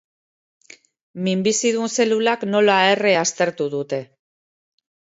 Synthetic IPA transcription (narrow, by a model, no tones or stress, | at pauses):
mimbisiðunse̞lulakno̞laereast̪e̞ɾt̪uðut̪e̞